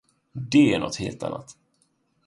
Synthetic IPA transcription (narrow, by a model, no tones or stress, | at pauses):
d̪ɛæɳɔt̪heːlt̪ʰa̰nːat̪